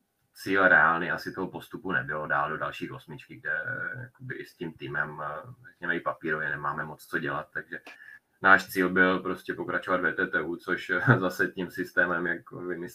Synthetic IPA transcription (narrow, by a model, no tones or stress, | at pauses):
t͡siːlɾɛaːlniasɪt̪oɦopo̞st̪upunɛbɪlodaːldo̞dalʃiːxʔo̞smɪt͡ʃkɪɡ̚dɛja̰kobɪʔɪscimt̪iːmɛmrɛkɲɛmɛɪpapiːɾo̞vjɛnɛmaːmɛmo̞t͡st͡soɟɛlat̪̚ːaɡʒɛ | naːʃt͡siːlbɪlpɾo̞scɛpo̞kɾat͡ʃovad̪vɛːt̪ɛːt̪ɛːʔut͡so̞ʃzasɛcimsɪst̪ɛːmɛmjakovɪmɪ